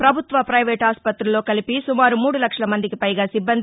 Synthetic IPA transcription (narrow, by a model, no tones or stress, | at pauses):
pɾɐbʱut̪ʋɐpɾɐjʋeːʈaːspɐt̪ɾulo̞ːkɐlipisumaːɾumuːɽulɐkʂɐlɐmɐnd̪ikipɐjɡaːsibːɐnd̪